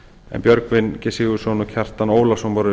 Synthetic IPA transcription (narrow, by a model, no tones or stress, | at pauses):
ɛ̰npjœɾkvɪnːcɛsɪɣʏ̥sɔnɔcʰɛr̥t̪anoːwlasɔmpɔɾɪ